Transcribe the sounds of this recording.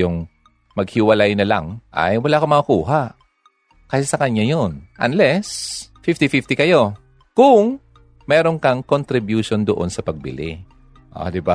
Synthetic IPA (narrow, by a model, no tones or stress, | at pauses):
jʊŋ | mɐɡ̚hɪwɐlajnɐlɐ̰ŋʔɐ̰jwɐlaːkɐmɐŋɐkuːɦaʔ | kaːhsɐkɐɲɲajonʔɐnlɛsfift̪ifift̪ɪkɐjo̞ | kʊŋ | mɛːɾonkɐŋkont̪ɾɪbjuʃond̪oʔo̞nsɐpɐɡ̚bɪ̰lɪ̰ | ʔo̰d̪ɪba